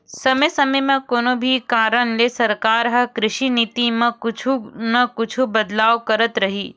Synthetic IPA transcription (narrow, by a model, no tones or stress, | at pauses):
sɐmesɐmejmɐ̃koːnobʱikaːɾəɳlesɐɾkaːɾɦɐkɾɪʃinit̪imɐ̃kʊt͡ʃʰunɐkʊt͡ʃʰubɐd̪laːʋkɐɾət̪ɾɐɦiː